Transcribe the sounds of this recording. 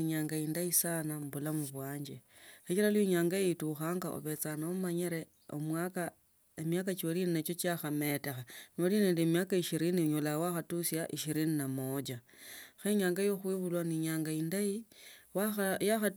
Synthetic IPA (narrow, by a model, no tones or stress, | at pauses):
iɲaːŋɡaindaisanambulamuβwaːɲd͡ʒe | xit͡ʃilalwiɲaːŋɡajeituxaːŋɡaʔo̰βe̞t͡sanomaɲeɾe̞ | o̰mwaka | emjakat͡ʃolininet͡ʃo̞t͡ʃaxame̞te̞xanoline̞ːndiemjakaiʃiɾiniɲolawaxatusjaʔiʃiɾininamod͡ʒa | xeɲaːŋɡajoxwiβulwaniɲaːŋɡaindaiwajaxa